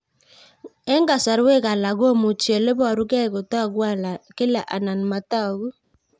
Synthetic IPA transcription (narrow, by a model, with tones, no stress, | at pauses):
ɛ˦ŋɡa˨sa˨ɾwe˦ka˨la˨ɣo˦mu˨t͡ʃi˨e˨le˦βa˨ɾu˦kɛ˦˨ɣo˨ta˦˨ɡwa˦˨la˨ke˦la˨ʔa˨na˨n˨ma˨ta˦˨ɣu˦